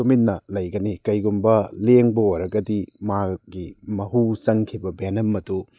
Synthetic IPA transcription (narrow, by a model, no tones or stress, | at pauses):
omitnːɐlɐjɡɐnikɐjɡumbɐleŋbɐoɾɐɡɐdimaɡimɐɦusɐŋkʰibɐbenɐmːɐdu